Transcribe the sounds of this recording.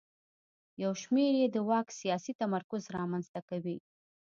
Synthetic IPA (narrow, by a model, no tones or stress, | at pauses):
jawʃmeɾjed̪əwɑksijɑsit̪amaɾkʊzɾɑmanzt̪akawi